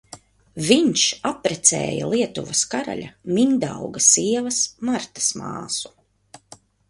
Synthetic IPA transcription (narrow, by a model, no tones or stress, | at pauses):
viɲʃapɾɛt̪sɛ̰ːja̰lˠiɛt̪ṵvɐskaɾa̰ʎʲa̰mind̪a̰wɡɐsiɛvɐsmaɾt̪ḁsma̰ːsu̥